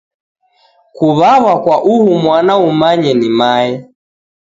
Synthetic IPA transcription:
kuβaβakwaʔuhumwanaumaɲɛnimaɛ

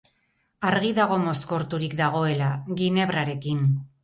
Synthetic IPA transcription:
aɾɣiðaɣ̞o̞mo̞sko̞ɾt̪uɾikd̪aɣ̞o̞e̞laɣine̞βɾaɾe̞kin

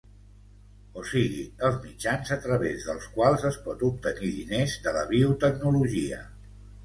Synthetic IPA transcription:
osiɣiəlˠzmid͡ʒanzət̪ɾəβezðəlˠskwalˠzəspɔt̪up̚t̪əniðḭnezd̪ələβ̞iut̪ək̚nuluʒiə̰

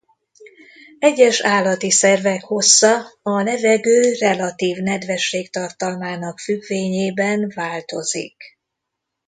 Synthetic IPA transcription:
ɛɟːɛʃaːlːɒt̪isɛrvɛkho̞sːɒɒlɛvɛɡøːrɛlɒt̪iːvnɛd̪vɛʃːeːkt̪ɒrt̪ɒlmaːnɒkfyɡveːɲeːbɛnvaːlt̪o̞zḭk

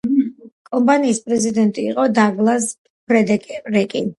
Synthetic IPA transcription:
kʼɔmpʼaniːspʼɾɛzid̪ɛnt̪ʼiːqʼɔd̪aɡlˠas | pʰɾɛd̪ɛkʼɛɾɛkʼḭ

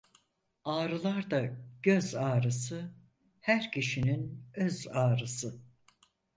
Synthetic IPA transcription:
aːɾɯlˠaɾd̪aɟøzaːɾɯsɯ | hæɾcʰiʃininøzaːɾɯsɯ

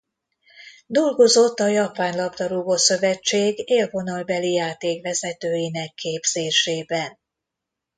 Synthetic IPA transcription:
d̪olɡo̞zo̞t̪ːɒjɒpaːnlɒbd̪ɒɾuːbosø̞vɛt͡ʃːeːɡeːlvo̞nɒlbɛlijaːt̪eːkvɛzɛt̪øːjinɛkʰːeːbz̥eːʃeːbɛn

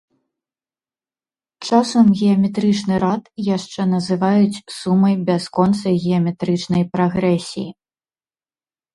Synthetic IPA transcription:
t͡ʂasɐmɣʲɛɐmʲɛt̪ɾɨt͡ʂnɨɾat̪jaʂt͡ʂɛnɐzɨvajut͡sʲsumɐjbʲaskɔnt̪sɐɣʲɛɐmʲɛt̪ɾɨt͡ʂnɐjpɾaɣɾɛsʲiji

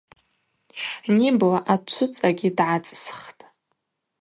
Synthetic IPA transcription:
niblaʔat͡ʃʷʰʊt͡sʼaɡʲɪdʕat͡sʼsχtʼ

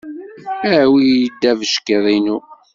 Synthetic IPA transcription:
æwijəd̪ːævəʃkəðˤinu

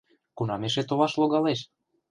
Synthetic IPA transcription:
kunɑmeʃ̬et̪oβɑʃloɣɑleʃ

